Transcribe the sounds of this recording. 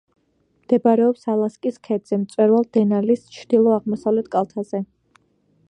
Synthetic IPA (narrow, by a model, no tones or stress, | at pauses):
md̪̥ɛbaɾɛɔpsalˠaskʼiskʰɛd̪zɛmt̪sʼwɛɾvalˠd̪ɛnalist͡ʃʰɾd̪̥ilˠɔaʁmɔsavlɛt̪ʰkʼalˠt̪ʰaz̥ɛ